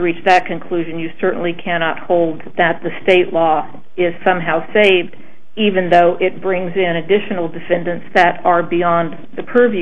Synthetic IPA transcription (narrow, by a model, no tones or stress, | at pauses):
əɹit͡ʃðɨt̚kʰɨ̃nkʰl̥ʉʒɨ̃njɨsɜ˞ʔn̩likʰæñɑt̚hoʊlˠd̪̚ðɨt̪̚ðɨsteɪʔˡlɔ | ɪz̥sʌ̃mɦaʊseɪvd | ivɨ̃nðoʊʔɪt̚b̥ɹɪ̃ŋzɪ̃nɨdɪʃɨn̩l̩ˠdɨfɛ̃ndɨ̃ntsðɨɾə˞biɑ̃n | ðɨpʰɜvj